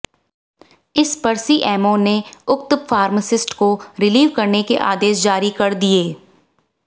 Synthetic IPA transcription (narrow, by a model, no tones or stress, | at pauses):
ɪspɐɾsiʔɛːmõneʊkt̪faːɾməsɪsʈkoɾɪliːʋkɐɾnekeʔa̰ːd̪eːsd͡ʒaːɾikɐɾd̪ieː